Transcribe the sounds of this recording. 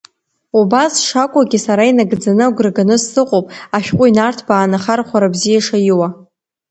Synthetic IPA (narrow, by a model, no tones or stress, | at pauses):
ubasʂakʷʼaɡʲisaɾainaɡd͡zanɨɡʷrɡanɨsːɨqʼopʼaʃᶣqʷʼʊinartʰbaːnaχarχʷaɾabzijaʂajiwa